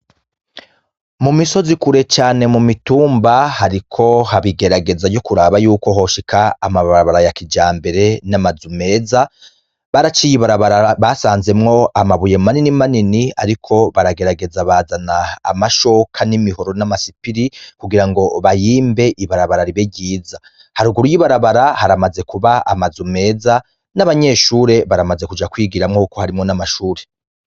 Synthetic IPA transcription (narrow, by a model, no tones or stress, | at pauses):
mumiso̞zikuɾe̞t͡ʃaːne̞mumituːmbahaɾikʰo̞haβiɡe̞ɾaɡe̞zaɟo̞kuɾaːβajuːko̞ɦo̞ʃikʰaːmaβaɾaβaɾajakid͡ʒaːmbe̞ɾe̞namazume̞ːza | βaɾat͡ʃijiβaɾaβaɾaβasaːnze̞mŋo̞amaβuje̞maninimaninia̰ɾikʰo̞βaɾaɡe̞ɾaɡe̞zaβaːzana̰ːmaʃo̞kʰanimiho̞ɾo̞namasipiɾikuɡiɾaŋɡo̞βajiːmbe̞ʔiβaɾaβaɾaɾiβeɟiːza | haɾuɡuɾujiβaɾaβaɾahaɾamaze̞kuβaa̰mazume̞ːza | naβaɲe̞ʃuːɾe̞βaɾamaze̞kud͡ʒakwiːɡiɾamŋokohaɾimŋo̞namaʃuːɾe̞